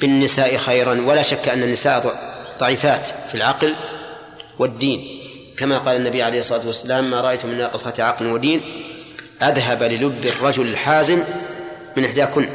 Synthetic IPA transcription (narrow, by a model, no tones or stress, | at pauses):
b̥ɪnːɪsaːʔɪxajɾanwalaːʃakːʔanːanːɪsaːʔðˤɑʕiːfaːt̪filʕɑql | wɪd̪ːiːn | kamaqɑːlanːabijʕalejhɨsˤːɑlˤɑːt̪wasːalaːmːaːɾˤɑʔajt̪ʊmɪnːɑːqɨsˤɑt̪ʕɑqlwad̪iːn | ʔaðɦablɪlʊbːɪrˤːɑd͡ʒʊlɪlħaːzɪmː | ɪnʔɪħd̪aːkʊnː